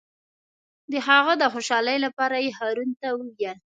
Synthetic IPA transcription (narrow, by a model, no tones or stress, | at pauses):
d̪əɦaɣəd̪əxoʃɑləjlapɑɾajeɦɑɾunt̪awəɡjal